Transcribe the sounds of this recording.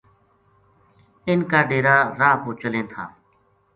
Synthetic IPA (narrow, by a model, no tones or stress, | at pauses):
ɪnkaːɖeːɾaːɾaːpoːt͡ʃəlẽːt̪ʰa̰ː